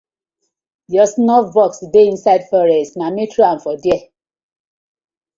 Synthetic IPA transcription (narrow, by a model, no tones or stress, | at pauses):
jɔsnɔfbɔksdeĩnsadfɔɹɛstnamitʰɹoãnfɔdjɛ